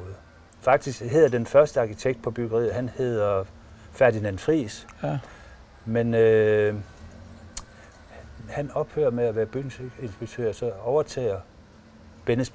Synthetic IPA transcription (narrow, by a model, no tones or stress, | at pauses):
ð̩ˠ | fɑ̈ɡ̥̚d̥isɡ̥he̝ð̞̰ˠɐd̥enfɶɐsd̥əɑ̈kʰit͡sʰeɡ̥̚d̥̚pʰɒ̽b̥yɡ̥ɐʁḭːð̩ˠɦænhe̝ð̰ˠɐ | fæɐd̥inænfʁḭːs | menø | hænɒ̽b̥høːɐmeæʋæːɐb̥ynse̝nsb̥eɡ̥̚t͡sʰø̰ɐ̰sɒ̽ɒʊɐt͡sʰɛ̰ːɐ | b̥enəsb̥